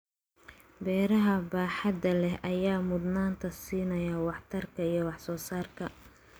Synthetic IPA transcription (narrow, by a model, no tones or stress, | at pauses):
bɛːɾɐɦɐbaːħɑd̪ɐlɛhʔɐjaːmʊd̪naːnt̪ʰɐsiːnɐjɐwɑħt̪ʰɐrkʰɐijɞwɑħsɔːsaːrkʰɐ